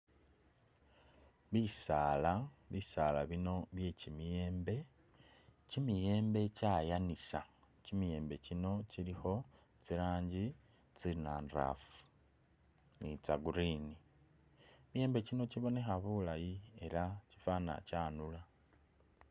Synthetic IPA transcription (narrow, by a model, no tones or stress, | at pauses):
βisaːlaβisaːlaβino̞βje̞cimije̞ːmbe̞ | cimije̞ːmbe̞caːjanisa | cimije̞ːmbe̞cino̞cilixo̞ | t͡siɾaːɲɟi | t͡sinaːnra̰fu̥ | nit͡saɡuɾini | mije̞ːmbe̞cino̞ciβo̞ne̞xaβulajie̞ɾacifana̰caːnula